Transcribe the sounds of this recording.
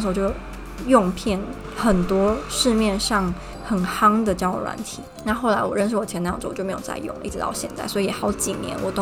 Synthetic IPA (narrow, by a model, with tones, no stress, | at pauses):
ʂ̩˧˥˧t͡ɕjo˥˩ʊ | jʊ˥˧ŋpʰjɛ˥˩n | xə˨˩nt̪wɔ˥ʂɻ̩˥˧mjɛ˥˧nʂɑ˥˩ŋ | xə˨˩nxɑ˥ŋd̪ə˨t͡ɕjɑ˥˩ʊwɔ̰˨˩ɻwa̰˧˥nt̪ʰi˨˩˦na˥˧xo˥˩ʊla˧˥ɪwɔ˨˩ɻə˥˧nʂɻ̩˥˩wɔ˨˩t͡ɕʰjɛ˧˥nə˧j̩˥˩˥t͡ɕo˥˩m˧˥jt͡sa̰˥˧ɪjʊ̰˥˩ŋ˦i˥˩ʈ͡ʂ̩ɻ̩˧t̪ɑ˥˧˩ɕjɛ̰˥˧nt͡sa̰˥˩ɪswɔ˧˥i˧jɛ˨˩xɑ˧˥ʊt͡ɕi˨˩njɛ̰˧˥nwɔ˨˩t̪ʊ˥